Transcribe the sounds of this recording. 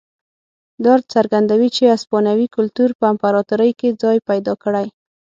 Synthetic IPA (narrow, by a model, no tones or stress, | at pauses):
d̪ɑɾd̪̚t͡saɾɡand̪awit͡ʃeaspɑnawikʊlt̪uɾpəampaɾɑt̪ʊɾəjked͡zɑjpajd̪ɑkəɽaj